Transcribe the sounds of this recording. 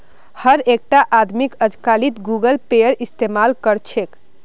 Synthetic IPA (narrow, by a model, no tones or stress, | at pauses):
həɾek̚ʈaʔad̪ʱmikəd͡ʒkalit̪ɡuɡəlpejəɾist̪emalkəɾt͡ʃʰek